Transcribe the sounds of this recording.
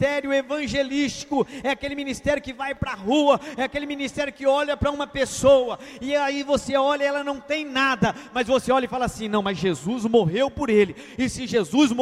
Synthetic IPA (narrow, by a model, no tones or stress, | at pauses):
t̪ɛɾjʊevɐ̃ʒelist͡ʃi̥kʊɛakelɪmĩnist̪ɛɾjʊkɪvajpɾɐɦuɐɛakelɪminist̪ɛɾjʊkɪɔʎɐpɾɐũmɐpesowɐɪaivoseɔʎɐɛlɐnɐ̃w̃t̪ẽj̃nad̪ɐmɐzvoseɔʎɐɪfalasĩnɐ̃w̃mɐzʒezuzmoɦewpoɾelɪ | ɪsĩʒezuzm